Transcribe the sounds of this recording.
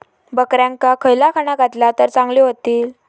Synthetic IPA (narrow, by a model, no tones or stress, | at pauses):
bəkɾjãŋkakʰəjlakʰaɽ̃aɡʱat̪lat̪əɾt͡sãŋɡliɦot̪iːl